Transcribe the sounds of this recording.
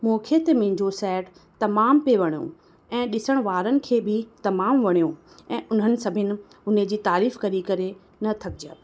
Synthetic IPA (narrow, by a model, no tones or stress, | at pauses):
moːkʰet̪emẽːɲd͡ʑosɛːʈ | t̪ɐmaːmpeʋɐɽ̃jõ̰ | ɛ̃ːɗɪsəɽ̃ʋaːɾənɪ̆kʰeːbʱɪt̪ɐmaːmʋɐɽ̃ijõ | ɛ̃ːʔʊn̤ənɪ̆sɐbʱɪnɪ̆ | ʊn̤ed͡ʑiːt̪aːɾiːfkɐɾikɐɾe | nɐt̪ʰɐkɪd͡ʑaː